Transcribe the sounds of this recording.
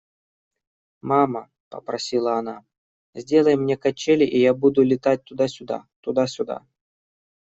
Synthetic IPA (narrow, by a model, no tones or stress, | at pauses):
mamə | pə̰pɾɐsʲilˠəːna | zʲdʲelˠəjmnʲekɐt͡ɕːelʲɪʔijabud̪ulʲɪt̪at̚ʲt̪ʊd̪asʲʊd̪a̰t̪ud̪asʲʊd̪a̰